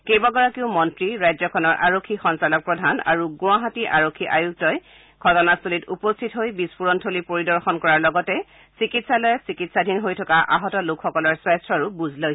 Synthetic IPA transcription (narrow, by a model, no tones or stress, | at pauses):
kejbaɡɔɹakiʊmɔntɹiɹajzɔkʰɔnɔɹʔa̰ɹokʰːixɔnsalɔk̚pɹɔdʱana̰ɹuɡʊ̃aɦatiʔaɹokʰːiʔajuk̚tɔj | ɡʱɔtɔnastulitupɔstʰitɦojbispuɹɔntʰolipoɹidɔɹxɔnkɔɹaɹlɔɡɔtɛ | sikitsalɔjɛsikitsadʱinɦojtʰɔkaʔa̰ɦɔtɔlʊkʰxɔkɔlɔɹswajstʰɹɔɹubuzʱloj